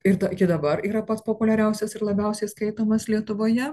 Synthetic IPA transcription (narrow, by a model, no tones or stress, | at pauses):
ɪɾd̪ɐkʲɪd̪ɐbɐɾiːɾɐpɐt̪spoːpʊlʲɛɾʲɛʊsʲɛsɪɾlˠɐbʲɛʊsʲɛɪskɐɪt̪oːmɐslʲiɛt̪ʊʋoːjɛ